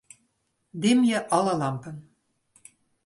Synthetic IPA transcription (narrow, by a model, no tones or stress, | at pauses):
d̪emjɘ̆ʔɑlɑlɑmpɤ̆n